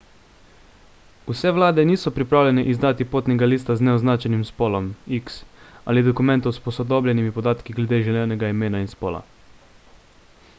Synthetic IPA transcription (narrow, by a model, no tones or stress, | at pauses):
usɛʋlaːd̪ɛniːsɔpɾipɾaːwlʲɛnɛʔizd̪aːt̪ipoːt̪nɛɡaliːst̪aznɛɔznaːt͡ʃɛnimspoːlɔmiksa̰ːlid̪ɔkumɛ̃nt̪owspɔsɔd̪oːblʲjɛnimipɔd̪aːt̪kiɡlʲed̪eːʒɛlʲɛːnɛɡaimeːnainspoːla̰